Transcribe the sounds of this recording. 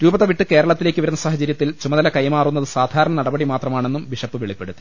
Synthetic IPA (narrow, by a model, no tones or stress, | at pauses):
ɾuːbɐðɐʋiʈːɨke̞ːɾɐɭɐt̪ːile̞ːkʲːɨʋɐɾunːɐsaːɦɐt͡ɕɐɾjɐt̪ːilt͡ɕumɐðɐlɐkɐjmaːrunːɐðɨsaːd̪ʱaːɾɐɳɐnɐɽɐbɐɽimaːt̪rɐmaːɳe̞nːumʋiʂɐpːɨʋeɭipːe̞ɽut̪ːi̥